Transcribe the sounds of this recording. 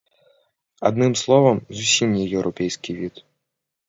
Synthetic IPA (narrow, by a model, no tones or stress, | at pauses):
a̰d̪nɨmslˠɔvɐmzusʲimnʲɛjɛwɾʔɔpʲɛjskʲivʲit̪